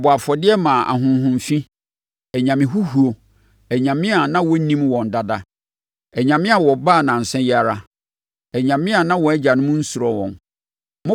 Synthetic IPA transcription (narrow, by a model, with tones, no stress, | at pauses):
bɔ˨a˨fɔ˨dɪ˦ɛ˦mã˨ʔa̰˨ɦʊ̃˨n˦ɦʊ̃˨m˨fĩ˦ | ɛ˨ɲã˨mɪ̃˨ɦu˦hu˨o˨ | ɛ˨ɲã˨mɪ̃˦a˨nã˦wɔ˦nĩ˦mwɔ̃˨n˨da˨da˦ | ɛ˨ɲã˨mɪ̃˦a˨wɔ˨ba˦˨nã˨n̩˨sɛ̃˦ja˨ɾa˦ | ɛ˨ɲã˨mɪ̃˦a˨nã˦wɔ̃˨˦ɛ˦d͡ʑa˨nʊ̃˦mũ˦n̩˦su˨ɾɔ˨wɔ̰̃˨n | mʊ̃˦